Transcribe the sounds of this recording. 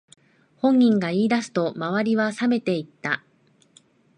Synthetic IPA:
hõ̞ŋːʲĩŋɡaiːd̪asɨ̥t̪o̞maβaɾʲiβasame̞t̪e̞it̪ːa

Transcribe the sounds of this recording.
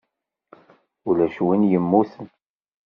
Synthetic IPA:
ulæʃwinjəmːuθən

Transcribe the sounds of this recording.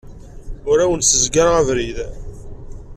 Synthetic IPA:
ʊɾæwənsəzɡaɾʁævɾið

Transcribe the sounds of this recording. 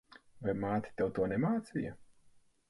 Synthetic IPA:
vajmaːt̪ʲi̥t̪ʲɛwt̪uɔnɛmaːt̪sijɐ

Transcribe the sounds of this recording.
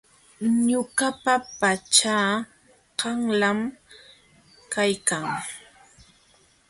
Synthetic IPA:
ɲʊɢapapat͡ʃaː | ɢɑŋlam | kajkaŋ

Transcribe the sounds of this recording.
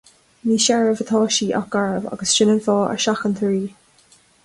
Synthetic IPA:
miːʃɛɹəvət̪ʰɑːʃiːʔa̰ɡaɹəva̰ɡəsʃɪnənfɑːə̰ɹʃaxənt̪ʰəɹiː

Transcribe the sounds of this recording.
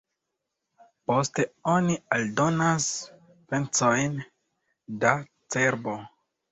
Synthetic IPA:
po̞ste̞onialdo̞nas | pent͡so̞jn | da | t͡se̞ɾbo̞

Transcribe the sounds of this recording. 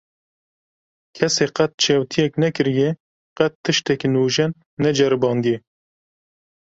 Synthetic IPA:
kʰɛseːqɛt̪̚t͡ʃʰeːwt̪ʰijɛknɛkɨɾijɛ | qɛt̪ʰːɨʃt̪ɛkinuːʒɛnː | ɛd͡ʒɛɾɨbɑːnd̪ijɛ

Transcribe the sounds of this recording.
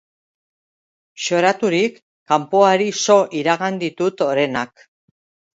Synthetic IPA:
ʃo̞ɾat̪uɾikː | ampoaɾiso̞ʔiɾaɣand̪it̪ut̪o̞ɾe̞nak

